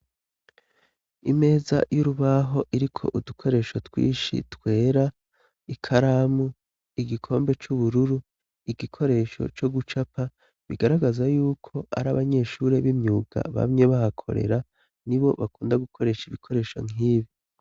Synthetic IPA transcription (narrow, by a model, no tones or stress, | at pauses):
ime̞ːza̰juɾuβaɦo̞ʔiɾikʰo̞ʔudukʰo̞ɾe̞ːʃo̞twḭːʃḭtwe̞ːɾa | ikʰaɾamu | iɡikʰo̞ːmbe̞t͡ʃuβuɾuɾu | iɡikʰo̞ɾe̞ːʃo̞̰t͡ʃo̞ɡut͡ʃapa | βiɡaɾaɡazajuːkʰo̞a̰ɾaβaɲe̞ʃuːɾe̞βimɲuːɡ̥a̰βa̰mŋe̞βahakʰo̞̰ɾe̞̰ɾa | niβo̞βakuːndaɡukʰo̞ɾe̞ʃiβikʰo̞ɾe̞ːʃo̞̰ŋiːβi